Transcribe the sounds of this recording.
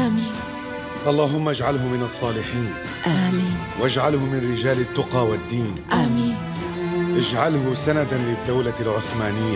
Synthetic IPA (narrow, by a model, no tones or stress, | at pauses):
ʔaːmiːn | ʔɑlˤːɑːɦʊmːaʔad͡ʒʕalɦʊmɪnɑsˤːɑːlɪħiːn | ʔamːn | wʔad͡ʒʕalhʊmɪnɾɪd͡ʒaːlɪt̪ːʊqɑːwɪd̪ːiːnʔaːmiːn | ʔɪd͡ʒʕalɦʊsanad̪anlɪd̪ːawlalʕʊθmaːnɪjːa